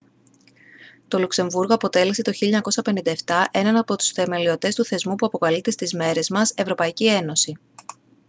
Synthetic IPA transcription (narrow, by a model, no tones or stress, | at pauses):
t̪o̞lukse̞ɱvuɾɣo̞ɐpo̞t̪e̞lese̞t̪o̞çiʎɐɲɐko̞sɐpe̞nind̪ɐe̞ft̪ɐʔe̞nɐnɐpo̞t̪u̥sθe̞me̞lio̞t̪e̞st̪uθe̞zmupuɐpo̞kɐlit̪est̪izme̞ɾe̞zmɐse̞vɾo̞pɐicie̞no̞si